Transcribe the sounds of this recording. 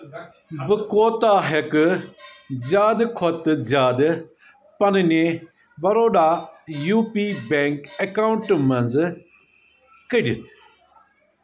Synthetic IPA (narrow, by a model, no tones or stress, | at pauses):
bəkoːt̪aːɦek | zjaːd̪kʰɔt̪zjaːd̪ | pɐnne | bɐɾoːɖaːjuːpiːbɛŋkɐkaːʊɳʈmɐnz | kəɽḭt̪ʰ